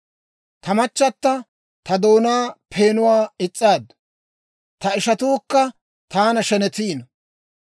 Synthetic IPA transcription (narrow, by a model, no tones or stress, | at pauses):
t̪ɐmɐt͡ʃːɐt̪ːɐ | t̪ɐd̪o̞ːnaːpʰeːnʊwaːɪt͡sʼːaːd̪ | t̪ɐɪʃɐt̪uːkːɐ | t̪aːnɐʃɛnɛt̪iːnɐ